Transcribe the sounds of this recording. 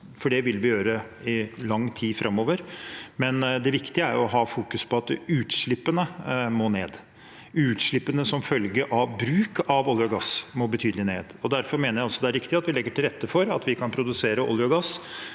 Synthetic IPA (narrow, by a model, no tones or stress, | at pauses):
fɔɖɛʋɪlʋɪjøːɾə | ɪlɑŋːt̪ʰiːfɾʔɑmoːʋəɾmɛnd̪ɛʋɪkt̪ɪəæ̰ɾɔɦɑːfuːkʉspʰɔɑt̪ʉːt̪ʂɭɪpːənəmoːneːd̪ | ʉːt̪ʂɭɪpːənəsɔmfœlɡəʔɑʋbɾʉːkɑʋɔljəʊɡɑsmɔbət̪ʰyːd̪əlɪneːd̪ɔd̪æɾfɔɾmeːnəɾjæɪɑlsɔd̪ɛæɾɪkt̪ɪɑt̪ʋɪlɛɡːəʈʰɪlɾɛt̪ːəfɔɾɑt̪ʋɪkʰɑnpʰɾʊd̪ʉseːɾəʔɔ̰ljʊɡɑs